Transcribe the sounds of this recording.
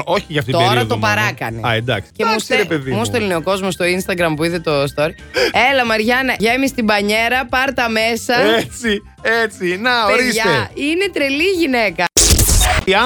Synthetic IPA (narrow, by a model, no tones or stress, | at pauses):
oçiʝɐft̪it̪oieɾiɐðt̪opɐɾɐkɐ̰neɐed̪ɐksi̥emuusst̪ɾepeðimust̪elnioko̞zmost̪o̞inst̪ɐɡɾɐmpuiðet̪o̞st̪oɾi | e̞lɐmɐɾʝɐnɐʝɐmist̪ibɐɲe̞ɾɐpɐɾt̪ɐme̞sɐet͡si | et͡sinɐoeɾisʝɐeinet̪ɾeliʝinekɐ | ɐ